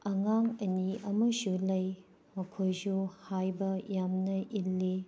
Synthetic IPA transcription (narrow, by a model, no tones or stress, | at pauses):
ɐŋaŋɐniʔɐmɐsulɐj | mɐkʰojsuhajbɐjamnɐʔilːi